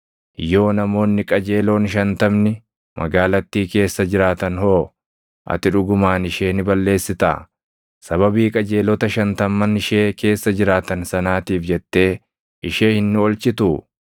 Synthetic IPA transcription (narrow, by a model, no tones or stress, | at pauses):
jo̞ːnɐmo̞ːnːɪkʼɐd͡ʒe̞ːlo̞ːnʃɐnt̪ɐmnɪ | mʔɐ̰ɡaːlɐt̪ːiːke̞ːsːɐd͡ʒɪɾaːt̪ɐnhoː | ʔɐ̰t̪ɪᶑʊɡʊmaːnɪʃe̞ːnɪbɐlːe̞ːsːɪt̪a̰ː | sɐβɐbiːkʼɐd͡ʒe̞ːlɔt̪ɐʃɐnt̪ɐmːɐnɪʃe̞ːke̞ːsːɐd͡ʒɪɾaːt̪ɐnsɐnaːt̪iːfd͡ʒɛt̪ːe̞ː | ʔɪʃe̞ːhɪnːɪɔlt͡ʃɪt̪ʊ